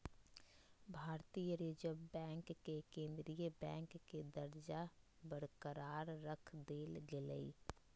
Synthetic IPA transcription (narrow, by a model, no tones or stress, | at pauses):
bʱaːɾt̪ijəɾid͡ʒəbɛ̃ːŋkːekẽːnd̪ɾijəbɛ̃ːŋkːed̪əɾd͡ʒa | bəɾkəɾaːɾːəkʰd̪eːlɡɪləḭ